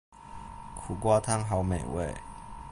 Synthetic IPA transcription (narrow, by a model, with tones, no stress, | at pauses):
kʰu˨˩kwa˥t̪ʰa˥ŋɦa˨˧˥ʊme˨˩ɪwe˥˨ɪ